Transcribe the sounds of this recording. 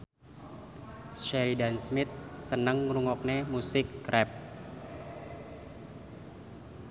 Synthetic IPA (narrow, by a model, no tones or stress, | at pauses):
ʃɛɾidansmɪt̪̚sənəŋruŋɔk̚nemusɪk̚ːɾʔɛp̚